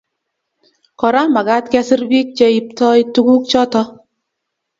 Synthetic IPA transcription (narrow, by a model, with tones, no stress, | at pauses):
kɔ˨ɾa˦ma˨ɡa˦t̚kɛ˦sɪ˦ɾbi˦k̚t͡ʃɛ˦i˨p̚tɔ˦i˦tu˦ɡu˦k̚t͡ʃɔ˦tɔ˦